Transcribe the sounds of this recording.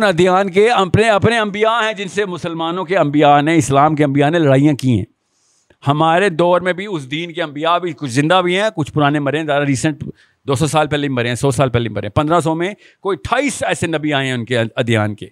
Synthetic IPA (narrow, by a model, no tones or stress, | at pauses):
nɐd̪ijaːnkeɐpneɐpneɐ̃mbijaɦɛ̃d͡ʒɪnsemʊsəlmaːnõkeɐ̃mbijaneɪslaːmk̬eɐ̃mbijanelɐɽaːijãkiɦɛ̰̃ː | hɐmaːɾed̪ɔːɾmẽbʱiʊsd̪iːnkeɐ̃mbijabʱikʊt͡ʃʰzɪ̃nd̪abʱiɦɛ̃ːkʊt͡ʃʰpʊɾaːnemɐɾeẽzaːɾaɾiːsə̃ɳʈ | d̪oːsɔsaːlpɛːlebimɐɾẽɦɛ̃sɔːsaːlpɛːleimɐɾẽpɐ̃nd̪ɾãs̬ɔːmẽ | koːiʈʰaːiːsɛːsenɐbiaːẽɦɛ̃ʊnkeɐd̪ija̰ːnkeː